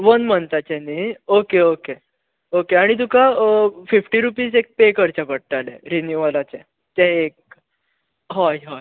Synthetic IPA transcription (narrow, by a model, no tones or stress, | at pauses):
ʋənmənt̪at͡ɕɛ̃niokeoke | okeaɽ̃it̪̬ukafifʈiɾupiːzek̚pekəɾt͡ɕapəɽ̚ʈalɛ̰̃ɾinjuʋalat͡ɕɛ̃ | t̪ɛek̚ | ɦɔjɦɔj